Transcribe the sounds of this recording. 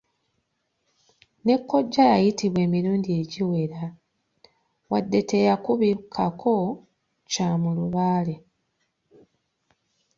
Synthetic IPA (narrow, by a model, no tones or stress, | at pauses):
ne̞kːo̞ɟːajajitiβwe̞ːmiɾuːnɟie̞ɟiwe̞ɾa | wadːe̞te̞jakuβikʰakʰo̞ | camuluβaːle̞